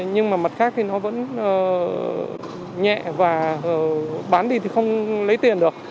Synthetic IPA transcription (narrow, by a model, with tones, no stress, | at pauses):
ɲɨ˧ŋmaː˨˩mə˨˩t̚xaː˦˥k̚t̪ʰi˨˩nɔ˨˦və̰˧˥nəː˨˩ | ɲɛ̰˧˨vaː˨˩˨ | ɓaː˨˦nɗi˧t̪ʰi˨˩xə˧wŋ͡mlə˨˦jt̪i˨˩ənɗɨ˨˩ək̚